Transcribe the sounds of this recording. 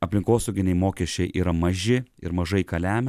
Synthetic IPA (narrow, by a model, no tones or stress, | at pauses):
ɐpʲlʲɪŋkoːsɐʊɡʲɪnʲɛɪmoːkʲɛsʲt͡ʃʲɛɪʔḭːɾɐmɐʒʲɪɪ̰ɾmɐʒɐɪkɐlʲæːmʲ